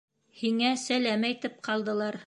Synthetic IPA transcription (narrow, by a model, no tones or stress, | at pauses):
hiŋæsælæmæjt̪ɘp̚qɑlˠd̪ɤ̆lˠɑɾ